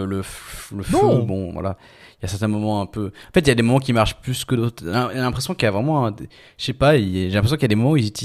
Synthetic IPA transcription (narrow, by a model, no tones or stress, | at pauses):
ləffləfubɔ̃vwa̰la̰ | iljasɛʁt̪ɛ̃mɔmɑ̃ɛ̃pøɑ̃fɛt̪̬iljad̪emɔmɑ̃k̬ʲimaʁʃplyskəd̪ot̪χnalɛ̃pχesjɔ̃kijavʁɛmɑ̃ɛ̃d̪ | ʃepaileʒelɛ̃pχes̬jɔ̃kiljad̪emɔmɑ̃uizyt̪i